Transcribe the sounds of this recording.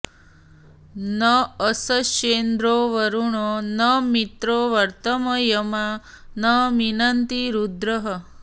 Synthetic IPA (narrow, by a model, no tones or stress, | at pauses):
nəəsət͡ʃend̪ɾoʋəɾuɳonəmit̪ɾoʋɐɾt̪əməjɐma | nəʋinɐnt̪iɾud̪ɾəɦə